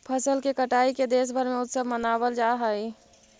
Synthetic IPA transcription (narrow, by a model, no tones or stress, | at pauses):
pʰəsəlkekəʈaːiked̪eːs̬bʱəɾmẽʊt̪səbmənaːbəld͡ʒaːɦəi